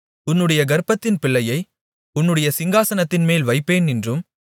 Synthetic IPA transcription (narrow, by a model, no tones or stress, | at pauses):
ʊnːɯɽɐjɐɡɐɾpːɐt̪ːɪnpɪɭːɐjɐɪ | ʊnːɯɽɐjɐsɪŋɡaːsɐnɐt̪ːɪnmeːlʋɐɪpːeːnɪndrɯm